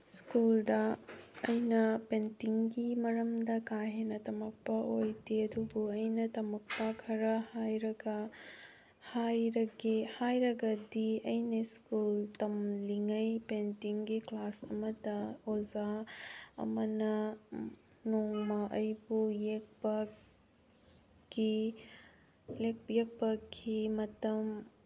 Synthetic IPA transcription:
skuldɐː | jnɐpentiŋɡimɐɾɐmdɐkaɦenɐtɐmɐk̚pɐojdiɐdubuɐjnɐtɐmɐk̚pɐkʰɐɾɐhajɾɐɡɐ | hajɾɐɡehajɾɐɡɐdiɐjniskultɐmliŋɐjpentiŋɡiklasɐ̰mɐtɐoza | ɐ̰mɐnɐ | noŋmɐʔɐjbujek̚pɐ | ki | lek̚pjek̚pɐkʰimɐtɐm

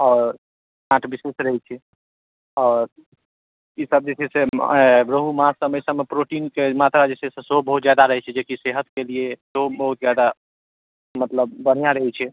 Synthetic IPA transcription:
ɔːɾ | nãʈbisesɾəɦɛt͡ʃʰɛ | ɔːɾ | isəb̚d͡ʒesʰeseɾəɦumasəməjsəmepɾoʈinkemat̪ɾad͡ʒesesẽseɦobəɦut̪d͡ʒjad̪aɾəɦɛt͡ʃʰɛd͡ʒekiseɦət̪kelieseɦobəɦut̪̚d͡ʒjad̪a | mət̪ləb̚ːəɽ̤ijaɾəɦɛt͡ʃʰɛ

